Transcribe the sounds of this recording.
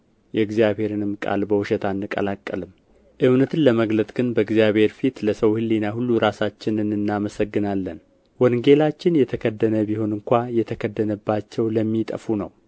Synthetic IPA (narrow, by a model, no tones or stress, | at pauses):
jɛɨɡzjaβhe̞ɾɨnɨmkʼa̰lbəwʊʃɛt̪ʰanːɨkʼə̰lakʼːə̰lɨm | ʔɨβnət̪ʰɨnləməɡlət̪ʼɡ̥ɨnbəɨɡzijaβhe̞ɾfit̪ləsəwhɨlːinaɦulːuɾasat͡ʃːɪnɨnɨnːaməsəɡːɨnalːən | wɔnɡe̞lat͡ʃːɪnjɛt̪ʰəkʰəd̪ːənəbiho̞nɨŋkʷajɛt̪ʰəkʰəd̪ːənəbːat͡ʃːɛwləmːit̪ʼə̰funə̰w